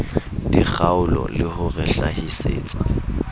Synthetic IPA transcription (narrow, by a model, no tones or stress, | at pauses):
dik͡xʰaʊlɔ̰lɪhʊrɛɬahisḛːt͡sʼḁ